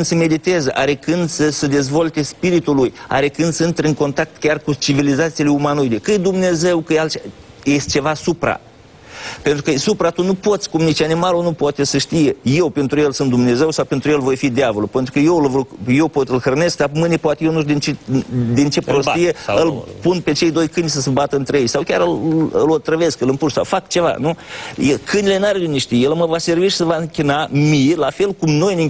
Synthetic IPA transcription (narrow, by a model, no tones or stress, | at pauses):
nd̪səme̞d̪it̪ezəʔa̰ɾekɨnd̪səsəd̪e̞zvo̞lt̪espiɾit̪uluja̰ɾekɨnd̪səɨnt̪ɾɨŋko̞nt̪ak̚t̪kʲarkut͡ʃivilizat̪sileumanujd̪ekɨjd̪umne̞ze̞wkəalt͡ʃ | jest̪t͡ʃe̞vasupɾa̰ | pe̞nt̪ɾukəsupɾat̪unupo̞t̪sʲkumnit͡ʃanimalonupoat̪esəʃt̪ije̞je̞wpe̞nt̪ɾuje̞lsɨnt̪̚d̪umne̞ze̞wsawpe̞nt̪ɾujelvo̞jfid̪eavolupe̞nt̪ɾukəjewlvojje̞wpo̞t̪ɨlxɾne̞sk̚d̪amɨnepoat̪ejenud̪int͡ʃed̪int͡ʃe̞pɾosijeɨlpunpe̞t͡ʃe̞jd̪o̞jkɨnʲisəsəbat̪əɨnt̪ɾeejsawkʲaɾɨlɨlot̪ɾəve̞skɨlɨmpuʃsa̰wfakt͡ʃe̞va̰nujekʰɨnile̞naɾuniʃt̪ijelməvase̞rviʃi̥səvaɨŋkʲinamijlafe̞lkumno̞jni